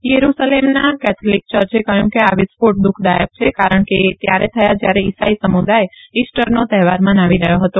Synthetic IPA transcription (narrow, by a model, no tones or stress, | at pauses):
jəɾusalemnakɛt̪ʰolik̚t͡ʃəɾt͡ʃekəjũkeaʋispoʈ̚d̪ukʰd̪ajəb̚t͡ʃʰekaɾəɳ̃ket̪jaɾet̪ʰəjad͡ʒjaɾeisaisəmud̪ajeisʈəɾnot̪ɛɦʋaɾmãnaʋiɾəɦjoɦət̪o